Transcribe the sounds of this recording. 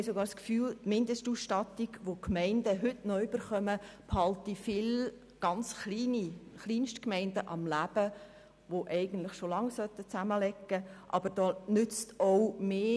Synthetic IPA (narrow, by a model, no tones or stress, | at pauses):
soɡɑːɾskfyːltmɪndəstusʃtɑt̪iɡ̥ʋokmɛɪndəɦʏtnœʏb̥əɾχœməphɑltifɪl | ɡ̥ɑnt͡sχliːniχliːnʃtkmɛɪndəʔɑmlæb̥ə | ʋoʔɛɪɡən̩t̪lɪχʃolɑŋsœt̪ːət͡sæməlɛkːəʔɑbəɾd̥ɔːnʏt͡st̪ɔʊmeː